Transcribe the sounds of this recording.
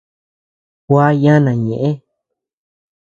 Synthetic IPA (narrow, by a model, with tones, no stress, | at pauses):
kʷa˦jã˦nã˨ɲẽ˨ʔẽ˦